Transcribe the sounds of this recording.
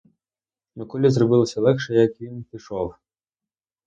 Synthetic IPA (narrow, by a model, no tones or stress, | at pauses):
mɪkɔlʲizrɔbɪlˠɐsʲɐlˠɛkʃɛjɐkʋʲinpʲiʃɔw